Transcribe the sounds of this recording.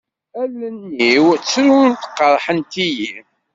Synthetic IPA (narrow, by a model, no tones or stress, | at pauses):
ælənːiwt͡sːɾunt̪ə̥qːəɾˤħənt̪iji